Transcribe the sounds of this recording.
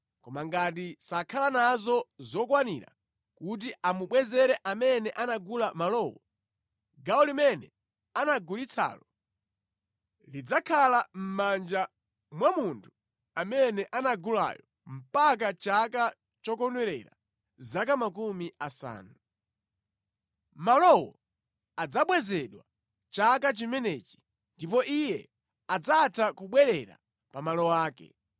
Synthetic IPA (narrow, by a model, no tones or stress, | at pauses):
kɔmaŋɡat̬isakʰalanazɔzɔkwaniɾa̰ | kut̬iʔamuɓwɛzɛɾɛʔamɛnɛʔanaɡulamalɔwɔ | ɡaɔlimɛnɛ | anaɡulit͡sʰa̰ːlɔ | lid͡zakʰalam̩mand͡ʒa | mwamuntʰu̥ | amɛnɛʔanaɡula̰jɔ | m̩pak̬at͡ʃaka | t͡ʃɔkɔnwɛɾɛ̰ɾa̰ | zakamakumiʔasa̰ːnu | malɔwɔ | ad͡zaɓwɛzɛɗwa | t͡ʃakat͡ʃimɛnɛːt͡ʃi̥ | ndipɔʔijɛ | ad͡zatʰakuɓwɛɾɛɾa̰ | pamalɔwaːkɛ̰